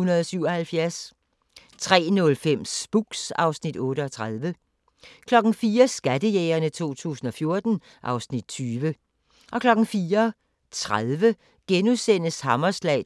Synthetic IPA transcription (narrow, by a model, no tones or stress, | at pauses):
unɐð̩ˠɒsyʊ̰ɒ̽hælfjæɐs | t͡sʰʁɛ̰ːnɔ̽lfem̰sb̥uɡ̥sɑ̈ʊsnid̥ɔ̽ːɾəɒ̽t͡sʰʁað̞ˠʋə | kʰlɒ̽ɡ̥n̩fiːɐsɡ̥ædəjeːɐnət͡sʰo̝̰ːt͡sʰṵːsn̩ɒ̽fjo̝ɐd̥n̩ | ʔɑ̈ʊsnid̥̚t͡sʰyːʋə | ʔɒ̽kʰlɒ̽ɡ̥n̩fiːɐ | t͡sʰʁaðˠʋə | ɡ̥enusen̰əshɑmɐslɛ̰ɪ